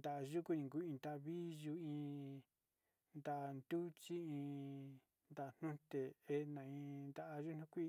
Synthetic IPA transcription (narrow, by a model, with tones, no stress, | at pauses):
nd̪a˨ʔʒu˦ku˦ĩ˧ŋku˦ĩ˧nd̪a˧βi˦ʒu˧ĩ˧ | nd̪a˧ʔnd̪u˦t͡ʃi˦ĩ˧ | nd̪a˧˨n̥nũ˦t̪e˨e˦˧nã˨ĩ˧nd̪a˦ʔa˧ʒu˦n̥ũ˦kʷi˦